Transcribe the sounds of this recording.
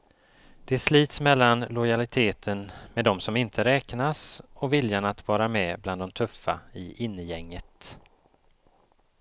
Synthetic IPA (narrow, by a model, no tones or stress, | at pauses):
d̪̥ɛsliːt̪smɛlːanlɔjalɪt̪ʰeːt̪ʰənmed̪ɔmsɔmɪnt̪ʰəɾɛːknasɔvɪljanat̪vɑːɾamɛbland̪ɔmt̪ʰɵfːaɪʔɪnːəjɛŋːət̪